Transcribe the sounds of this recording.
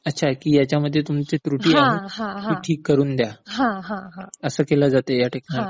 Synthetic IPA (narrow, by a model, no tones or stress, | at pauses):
ətːɕʰakiːjat͡ɕjaməd̪ʱːjet̪umt͡set̪ɾuʈiːaɦeɦãmiːʈʰiːkːəɾuːnd̪jaɦãɦãɦãəsəːkelad͡zat̪ejaʈʰekna